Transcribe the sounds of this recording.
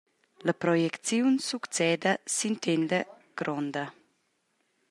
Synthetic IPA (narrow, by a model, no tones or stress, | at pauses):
lapɾɔjɛkt͡sjunsukt͡sɛːd̪əsint̪end̪ə | ɡ̥ɾɔnd̪ə